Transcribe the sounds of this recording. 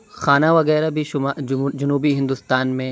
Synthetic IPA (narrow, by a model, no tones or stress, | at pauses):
xaːnaʋɐɣɛːɾabʱiʊd͡ʒɐnuːbiɦɪ̃nd̪ʊst̪aːnmẽ